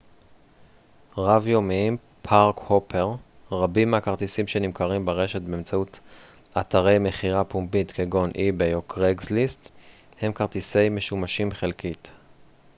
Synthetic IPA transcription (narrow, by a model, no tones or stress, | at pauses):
ʁavjo̞miim | pʰaʁkhopʰe̞ʁ | ʁabimakaʁt̪isimʃenimkaʁimbeʁe̞ʃetbeːmt͡saut | at̪aʁe̞jme̞χiʁapumbitkeɡo̞nʔibejokʁeɡzlist | he̞mkaʁt̪ise̞jme̞ʃumaʃimχelkit